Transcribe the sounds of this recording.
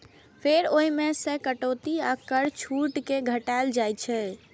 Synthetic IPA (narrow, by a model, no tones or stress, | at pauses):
pʰeɾoimesekəʈot̪iakəɾt͡ʃʰuʈkeɡʱəʈald͡ʒajt͡ʃʰɛ